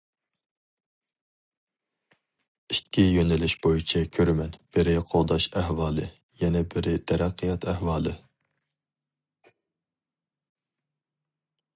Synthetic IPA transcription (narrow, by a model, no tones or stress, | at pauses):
ikʲʰːijønɪlɪʃb̥ojit͡ʃʰɛkʲʰøɾmɛnb̥ɪɾɪqʰoʁˠd̪ɑʃæhwɑːlˠɨ | jɛnɛbɪɾɪt̪ʰɛɾɑqʰːijɑt̪ʰæhwɑːlˠɨ